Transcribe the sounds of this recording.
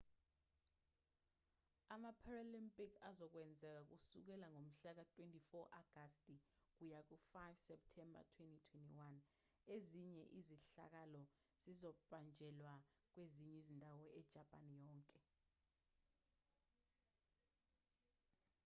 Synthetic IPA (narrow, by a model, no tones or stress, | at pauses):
amapʰaralimpʼikʰazɔk̬wɛnd͡zʱɛk̬ak̬usuk̬ɛlaŋom̩ɬak̬atʰʼwentʰʼifɔʔaɡ̥ʱastʼik̬ujak̬ufajvsɛp̚tʰɛmba̰tʰwɛntʼitʰwɛntʰʼiwan | eziɲɛʔiziɬa̰k̬alɔ | z̥izɔbʱand͡ʒʱɛlwak̬weziɲɛizindʱawɔɛd̥ʒ̥ʱapʼanijɔːŋkʼɛ